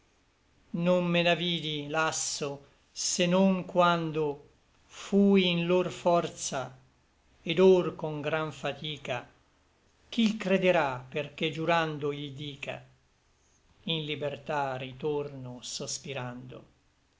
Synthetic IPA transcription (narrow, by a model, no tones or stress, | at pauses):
nommenaviːd̪ilasːo | senoŋkwand̪o | fujinlorfɔrt̪sa | ed̪orkoŋɡɾaɱfat̪iːka | k̟ilkɾed̪eɾaperked͡ʒuɾand̪oiʎld̪iːka̰ | inlibert̪arit̪ornosospiɾand̪o̰